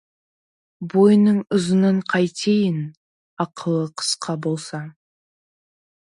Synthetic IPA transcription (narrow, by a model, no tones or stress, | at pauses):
bo̞jnəɴʊzənəɴqʰɑjt̪ʰejɪn | ɑqʰəlˠəqʰə̥sqʰɑbo̞lˠsɑ